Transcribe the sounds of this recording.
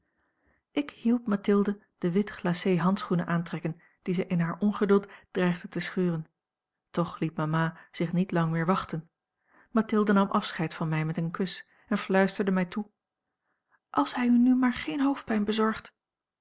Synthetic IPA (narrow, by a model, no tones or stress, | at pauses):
ʔɪkhilˠpmatɪlˠdə | d̥əʋɪtχlaːsejɦɑntsχunəʔaːntrɛkən | d̥izɛjʔɪnɦaːɹʔɔnχədɵlˠtd̥rɛjχdətəsχyːrən | tɔχlit̚mamaːz̥ɪχnitlɑŋmɪːɹʋɑχtən | matɪlˠdənɑmʔɑfsχɛjtfɑnmɛjmɛtənkɵs | ɛnflœɥstəɹdəmɛjtu | ʔɑlˠshɛjynymaːɹχejnɦowft̚pɛjnbəzɔɹχt